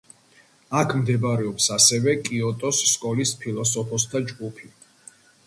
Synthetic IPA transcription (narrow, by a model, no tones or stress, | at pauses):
akʰmd̪ɛbɾɛɔpsasɛvɛkʼiɔt̪ʼɔsːkʼɔlispʰilˠɔsɔpʰɔst̪ʰad͡ʒɡupʰi